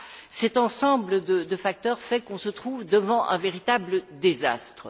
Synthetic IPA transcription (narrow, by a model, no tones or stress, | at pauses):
sɛt̪ɑ̃sɑ̃bləd̪əd̪əfak̚t̪œʁfɛkɔ̃sət̪χuvd̪əvɑ̃ʔɛ̰̃veʁit̪abləd̪eza̰st̪χə